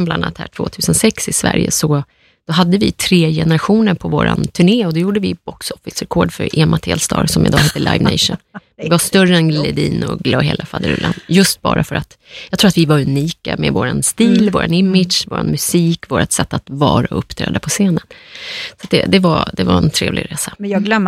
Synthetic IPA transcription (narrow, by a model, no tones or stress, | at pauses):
blana̰t̪hæːʈʰv̥o̰ːt̪ʰʉ̟ːsənsɛksɪsvæ̰ɾjə̰sɔ | d̪̥ɔɦad̪ːəvɪt̪ʰɾeːjɛnəɾaɧuːnəɾpʰɔvoːɾa̰nt̪ʰɵɳeːɔd̪ɛjuːɖəvɪb̥ɔksɔfɪsɾɛkʰoːɖfœɾɛmat̪ʰɛ̰ːlst̪ɑ̰ːɾsɔmɪd̪ɑːheːt̪ːəɭʔajvnɛɪʂʊn | ɪvast̪œrəɛnlɛd̪iːnʊɡloːɦeːlʔafad̪əɾɵ̰lːanjɵst̪̚bɑ̰ːɾʔafœɾʔat̪ | jɑɡkt̪ʰuːɾat̪vɪvaɾʉniːkamɛvoːɾanst̪iːlvoːɾanɪmːɪd̪ʂvoːɾanmɵsiːkvoːɾat̪sɛt̪ːat̪vɑːɾaɵpːt̪ʰɾɛ̰ːd̪apʰɔseːnənsat̪̚d̪ɛd̪ɛvad̪ɛvaɾɛnt̪ʰɾeːvlɪ̰ɡɾeːsaɡ̪œ